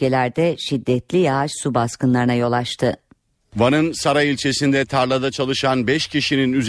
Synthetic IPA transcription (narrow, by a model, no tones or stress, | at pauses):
elʲæɾd̪ɛʃid̪ːɛt̪lʲijaaʃsubaskɯnlˠaɾɯnajo̞lˠaʃt̪ʰɯ | vanɯnsaɾailʲt͡ʃʰe̞sind̪ɛt̪ʰaɾlˠad̪at͡ʃʰalˠɯʃanbɛʃcʰiʃininyz